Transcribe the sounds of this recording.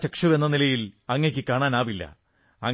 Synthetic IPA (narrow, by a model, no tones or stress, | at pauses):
t͡ɕɐkʂɐʋe̞nːɐnilɐjilɐŋːek̬ʲːɨkaːɳaːnaːʋilːɐ̰ | ɐŋ